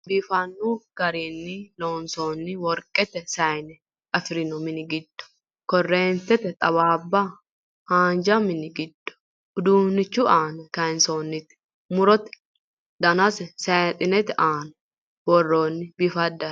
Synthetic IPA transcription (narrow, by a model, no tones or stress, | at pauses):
bifɐnːuɡ̥ɐɾiːnːɪloːnsoːnːɪwɔɾkʼɛt̪ɛsɐjnɛ | ɐfɪɾɪnɔmɪnɪɡɪd̪̥ːʊ̥ | kɔrːeːnt̪ɛt̪ɛt̪ʼɐβaːbːa | haːnd͡ʒɐmɪnɪɡɪd̪ːʊ̥ | ʊd̪uːnːɪt͡ʃːuʔaːnɐkɐɪnsoːnːɪt̪ɪ̥ | mʊɾɔt̪ɪ̥ | d̪ɐnɐsɛsɐt̪ʼɪnɛt̪ɪʔaːnɐ | wɔrːoːnːɪbɪfɐd̪ɐ